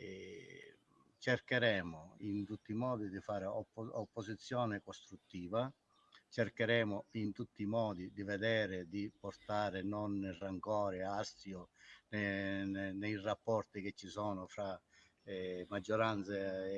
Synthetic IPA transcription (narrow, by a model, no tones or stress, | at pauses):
ɛ | t͡ʃɛrkeɾɛːmʊint̪ut̪ːimɔːd̪id̪ifaːɾɪɔɔpːosit̪sːjɔːnɪkɔst̪ɾut̪ːiːva | t͡ʃɛrkeɾɛːmʊint̪ut̪ːimɔːd̪id̪ivɛd̪ɛːɾɪd̪ipɔrt̪aːɾɪnɔnːɪraŋkɔːɾɪast̪jʊnɛ | nɛjrapːɔrt̪ik̟et͡ʃːisɔːnʊfɾa | mad͡ʒːɔɾant̪se